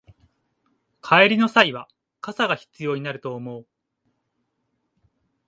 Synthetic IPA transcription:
kʰaeɾʲino̞saiβa | kasaɡaçi̥t͡sɨjo̞ːɲ̟inaɾɯ̟t̪o̞ːmo̞ɯ

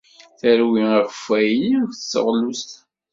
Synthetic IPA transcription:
θæɾwiəʁfæjiθəsə̰ʁlust̪

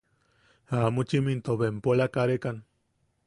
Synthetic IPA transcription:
amut͡ʃimint̪oβempolakaɾekan

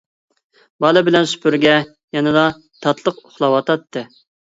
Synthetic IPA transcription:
bɑlˠɨbɪlɛnsy̥pʰyɾɡʲɛ | jɛnɨd̪ɑ | t̪ʰɑt̪ʰlˠəqoχlˠɑwɑt̪ɑt̪ʰːɨ

